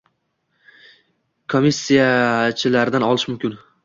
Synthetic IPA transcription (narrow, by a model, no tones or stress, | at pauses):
kʰomisːijat͡ʃʰɪlaɾɪd̪anɒlˠɪʃmʊmkʲɪn